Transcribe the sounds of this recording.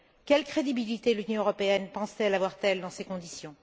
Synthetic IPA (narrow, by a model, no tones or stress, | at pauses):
kʲɛlkχed̪ibilit̪elynjɔ̃øʁɔpeɛnpɑ̃st̪ɛlavwaʁt̪ɛld̪ɑ̃sekɔ̃d̪isjɔ̃